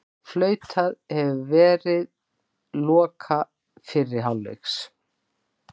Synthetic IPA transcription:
flœːɥt̪ʰaðhɛvʏvɛːɾɪð | lɔːkʰa | fɪrːɪɾ̥ɦawlːḛks

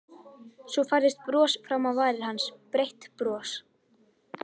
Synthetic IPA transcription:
sɔfajɾðɪst̪̚pɾɔːsfɾamawvaːjɾɪɾ̥hanspɾejht̪pɾɔːs

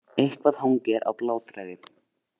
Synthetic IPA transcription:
ejhkvað̥haŋcɛɾʔa̰wplaːwt̪ɾajðɪ

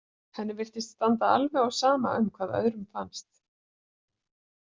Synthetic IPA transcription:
hɛnːɪvɪr̥t̪ɪst̪st̪ant̪aalvɛɣawsaːma̰ʔʏmkʰvaːðœ̰ðɾʏmfanst̪

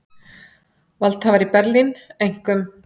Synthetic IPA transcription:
valt̪havaɾipɛɾlinejŋ̥kʏm

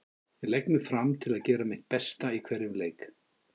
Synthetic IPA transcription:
vɪlɛknʏfɾamt̪ʰɪlaðcɛːɾamɪht̪̚pɛst̪aikʰv̥ɛɾɪmleːjk

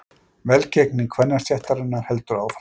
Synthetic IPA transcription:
vɛlcɛkniŋkʰvɛnːast̪jaht̪aɾɪnːaɾ̥hɛlt̪ʏɾawf

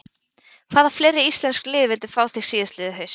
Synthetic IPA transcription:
kʰv̥aːðafleːjɾɪist̪lɛnsklɪːðvɪlt̪ɪ̥faːwθɪɣsiːðɪst̪lɪːðɪɦœɥs

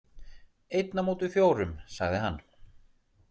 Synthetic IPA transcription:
ejt̪namuːt̪ʏfjoːwɾʏmsa̰ɣðɪɦanː

